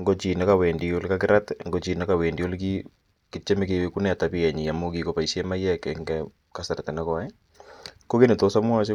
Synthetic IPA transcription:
ŋɡo˦t͡ʃi˨ne˦kawe˨ndio˦lka˦kɪ˦ɾatŋɡo˨t͡ʃi˨nekawe˨ndio˦lki˦ | kɪ˦t͡ʃɛ˦meke˨weku˦nɛ˦a˨tapi˦ɛ˨ɲi˨ja˨mu˦ki˦ko˨pa˨isjɛma˦jɛ˦kɛ˨ŋɡɛ | ka˨sa˨ɾtɛ˨nakɔ˨ɛ˦ | ko˦ke˦ne˨to˦sa˦mwa˦s̬e˦

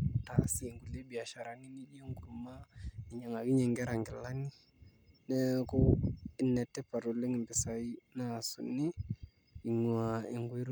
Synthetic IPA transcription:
ta˨si˦˨ŋɡu˨le˦bi˨a˨ʃa˨ɾa˨ni˦ni˦d͡ʒi˦e˦ŋɡu˨ɾma˦ɪ˨ɲa˨ŋa˨ki˦ɲɛ˨ŋɡɛ˦ɾa˨ŋɡɪ˨la˦ni˦ | nɛ˦kʊ˦ɪ˨nːɛ˨tːɛ˦pa˨ɾo˨lɪ˦ŋɪ˨mbɪ˨sa˨˦i˦na˨sṵ˨ni˦ | i˨ŋa˨ɪ˨ŋɡu˦i˦ɾ

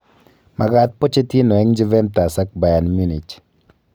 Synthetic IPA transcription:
mʔa˨ɡa˨t̪̚po˦t͡ʃe˦ti˦nɔ˨ɛ˦ŋd͡ʒɪ˦vɛ˦nta˨sa˦k̚ba˨ja˨nmu˦ni˨t͡ʃ

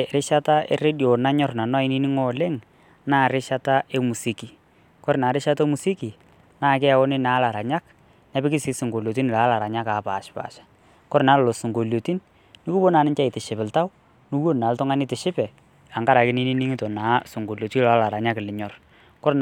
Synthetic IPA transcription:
ɾɪ˦ʃa˦ta˦ḛ˦re˦djo˨na˦ɲɔ˦rna˨nɔ˦˨ɪ˦ni˦nɪ˦ŋɔ˦˨lɪ˦ŋ | naː˦˨ɾɪ˦ʃa˦ta˦ʔe˦mu˨si˦ki˨ | kɔ˦ɾnaː˨ɾɪ˦ʃa˦tɔ˦mu˨si˦ki˨ | naː˦˨kɪ˦a˦wɔ˦nɪ˦na˨˦la˨ɾa˨ɲa˦k | nɛ˦pɪ˦kɪ˦sɪ˦sɪ˨ŋɡo˨lo˨t̬i˦n˨la˨˦la˨ɾa˨ɲa˦ka˨˦pa˨ʃpa̰ː˨ʃḁ˦ | kɔ˦ɾna˨˦lɔ˨lo˨sʊ˨ŋɡo˨ljo˨ti˦n | nɪ˦ku˦bo˦na˨nɪ˦t͡ʃa˦ɪ˨tɪ˨ʃɪ˨pɪ˨lta˦w | nʊ˦wo˦nna˨ltʊ˦ŋa˦nɪ˦tɪ˨ʃɪ˦pɛ˨ | a˨ŋɡa˦ɾa˨kɪ˦nɪ˦nɪ˦nɪ˦ŋɪ˦tɔ˨na˨˦sʊ˨ŋɡo˨ljo˨ti˦la˨˦la˨ɾa˨ɲa˦klɪ˨ɲɔ˨r | kɔ˦ɾ

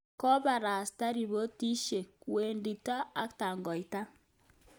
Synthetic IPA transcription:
kɔ˦ba˨ɾa˨sta˦ɾi˨βo˦ti˦ʃe˨kwe˨ndi˨ta˦a˦kta˨ŋɡɔ˨i˨ta˦

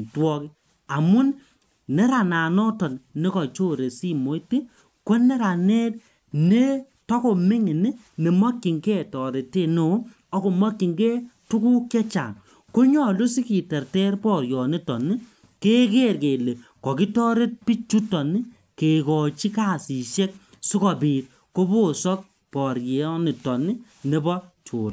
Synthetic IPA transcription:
twɔ˦ki˦ | a˨mʊ˦n | nɛ˦ɾa˨naː˨nɔ˦tɔ˨nne˦kɔ˨t͡ʃo˦ɾe˨si˦mo˨˦jti˦ | ko˦ne˦ɾa˨ne˦t | ne˦ | tɔ˦ko˨mɪ˦ŋi˨nɪ˦ | ne˨mɔ˦kːi˨ŋke˦˨tɔ˨ɾe˨te˦˨no˨˦ | ɔ˦ko˨mɔ˦kːi˨ŋɡe˦tu˦ku˦kɛ˦t͡ʃa̰˨ŋ | ko˦ɲɔ˦˨lu˦si˦ki˨tɛ˨rtɛ˦rpɔ˨ɾjɔ˨ni˦tɔ˨ni˦ | ke˦ke˦ɾke˨le˨kɔ˨ki˦tɔ˦ɾe˦t̚pi˦t͡ʃu˦tɔ˨ni˦ | ke˨kɔ˨t͡ʃi˦ka˦˨si˨ʃe˦k̚ | su˦kɔ˨piː˨t̚ | ko˦bo˦˨sɔ˦k̚ | pɔ˨ɾje˨˦ni˨tɔ˨ni˦ | ne˨˦bɔ˦tʰṵː˨ɾ

